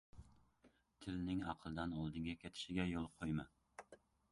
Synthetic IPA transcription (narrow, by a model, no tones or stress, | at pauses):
t̪ʰɪlnɪŋɑqʰlˠɨd̪ɛnolˠd̪ɪŋɡʲɛkʲʰet̪ʰɪ̥ʃɪɡʲɛjolˠqʰojmɨ